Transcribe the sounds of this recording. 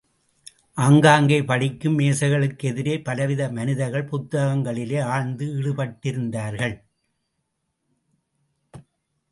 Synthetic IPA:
ʔɐŋɡaːŋɡɐɪpɐɽɪkːɯmːeːsɐɪɣɐɭɯkːɛðɪɾeːpɐlɐʋɪðɐmɐnɪðɐɾɣɐɭpʊt̪ːɐɣɐŋɡɐɭɪleːaːɻnd̪ɯɪɻɯpɐʈːɪɾɯnd̪aːɾɣɐɭ

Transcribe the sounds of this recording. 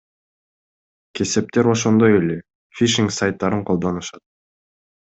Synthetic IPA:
ke̞se̞p̚t̪e̞ɾo̞ʃo̞nd̪o̞jele | fʲiʃiŋksajt̪ːɑɾɯɴqʰolˠd̪o̞nuʃɑt̪̚

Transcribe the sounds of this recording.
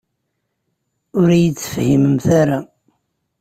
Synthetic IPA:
ʊɾijət͡sːə̥fhiməmθaɾa

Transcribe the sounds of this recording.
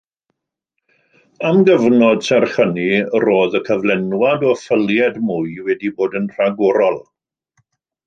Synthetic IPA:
amɡəvnɔd̥sɛrχəniroːðəkʰəvlɛnwadɔfəlˠjɛdmuɨwɛdiboːdənr̥aɡɔɾɔlˠ

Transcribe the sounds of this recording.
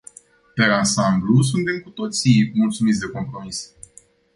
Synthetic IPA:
pe̞ɾansamblus̬unt̪e̞mkut̪o̞t̪simult̪sumit̪sʲd̪e̞ko̞mpɾo̞mis

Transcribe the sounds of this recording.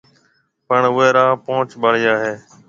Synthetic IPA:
pəɳʊɦeːɾaːpõːt͡ʃɓəɽɪjaːɦeː

